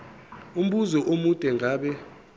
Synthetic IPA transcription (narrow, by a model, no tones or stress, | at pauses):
um̩ɓuzɔʔomud̥ʱʼɛŋɡʱaːɓɛ